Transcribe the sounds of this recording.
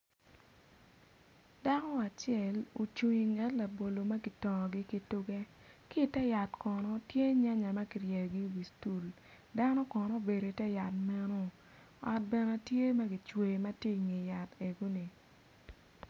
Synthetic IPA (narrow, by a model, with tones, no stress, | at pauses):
da˦ŋɔ˦a˨t͡ʃɪɛ˨lo˨t͡ʃu˨ɲi˨ŋɡɛ˨˦tla˨bo˨lo˨ma˦ɡɪ˨tɔ˨ŋɔ˨ɡɪ˦ki˦tʊ˦ɡɛ˦ | ki˦˨tɛ˦ja˨tkɔ˨nɔ˦tje˦ɲa˦ɲa˨ma˦ki˨rjɛ˨ɡi˦wi˨stu˨l | da˦nɔ˦kɔ˨nɔ˦be˨ɾo˨i˨tɛ˦ja˨tmɛ˦no˦ | ɔ̰˨t̚bɛ˨nɛ˨tje˦ma˦ɡɪ˨t͡ʃwe˨ma˦ti˦ŋe˨ja˨te˨ɡo˦ni˨